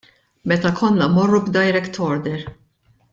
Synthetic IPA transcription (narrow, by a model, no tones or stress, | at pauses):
mɛt̪ɐkʰɔnːɐmɔrːubd̪ɐjɾɛkt̪ʰɔɾd̪ɛɾ